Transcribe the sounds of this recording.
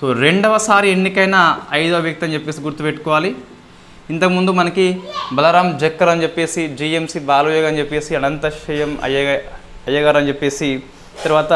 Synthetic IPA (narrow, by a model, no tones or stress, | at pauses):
soːɾeɳɖɐʋɐsaːɾienːikɐjnɐɐjd̪uɐbjɐk̚t̪ɐɲt͡ʃepːe̞ːsiɡuɾt̪ːupeʈːu̥kɔːʋaːli | int̪ɐkɐmund̪umɐnɐkibɐlɐɾaːmd͡ʒɐkːɐɾɐnut͡ʃepːeːsid͡ʒiːemsibaːluːjoːɡɐnt͡ʃepːe̞ːsiɐnɐnt̪ɐʃɐjɐmɐ̰ | ɐjɐɡɐːɾɐnt͡ʃepːe̞ːsi | t̪ɐɾuʋaːt̪ɐ